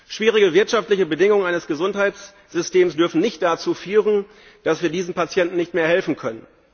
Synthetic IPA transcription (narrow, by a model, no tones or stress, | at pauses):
ʃv̥iːʁ̞ɪɡəvɪɐtʃaftlɪçəbədɪŋʊŋəaɪnəsɡ̥əzʊnthaɪt͡s | z̥ʏsteːmsd̥ʏɐfn̩nɪçtd̥at͡suːfyːʁən | d̥asv̥iːɐdiːzn̩pat͡sjɛntn̩nɪçtmeːɐɦɛlfn̩kʰœnən